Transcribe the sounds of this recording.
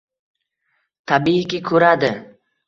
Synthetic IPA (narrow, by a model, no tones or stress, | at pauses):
t̪ʰabikʲɪkʰɵɾad̪ɪ